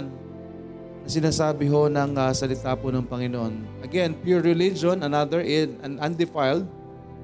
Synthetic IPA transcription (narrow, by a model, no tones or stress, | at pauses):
n | nɐsɪnaːsaːbɪɦo̞nɐŋɐsɐlɪt̪aːponɐŋpɐŋɪnoʔonʔɐɡɛnpjuɹɪlɪd͡ʒõnɐnad̪əɹʔɪnɐnɐ̃nd̪ɪfajld̪̚